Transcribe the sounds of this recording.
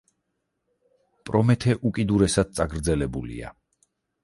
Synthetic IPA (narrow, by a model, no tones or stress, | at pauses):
pʼɾɔmɛt̪ʰɛʔukʼid̪uɾɛsad̪̥̚t̪sʼaɡɾd̪zɛlɛbulḭa̰